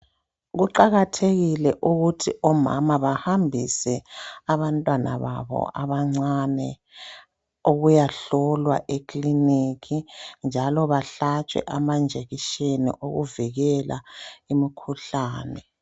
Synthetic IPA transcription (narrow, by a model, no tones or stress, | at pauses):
ɣuǃaɣatʰeɣilɛʔuɣutʰiɔma̰maβahambʱisɛaβantʼwana̰βa̰βɔ̰ʔaβaŋ͡ǀanɛ | oɣujaɬɔlwaʔekʼlinikʰind͡ʒʱalɔβaɬat͡ʃʼɛ̰ʔamand͡ʒʱeɣiʃenḭʔoɣuviɣɛla̰imikʰuɬaːnɛ